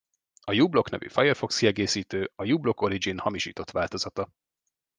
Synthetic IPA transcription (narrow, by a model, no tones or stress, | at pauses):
ɒjuːblo̞knɛ̰vy̰fɒjɛrfo̞kskiɛɡeːsiːt̪øːɒjuːblo̞ko̞ɾid͡ʒinhɒmiʃḭːt̪o̞t̪ʋaːlt̪o̞z̥ɒt̪ɒ